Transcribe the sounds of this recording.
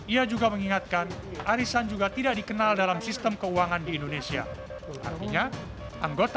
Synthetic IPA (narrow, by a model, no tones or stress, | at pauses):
ʔiad͡ʒuɡaməŋiŋat̪̚kanʔaɾisand͡ʒuɡat̪idaʔdikənaldalamsist̪əmkəuaŋandiːndonesia̰ | a̰rt̪iɲa | ʔaŋɡot̪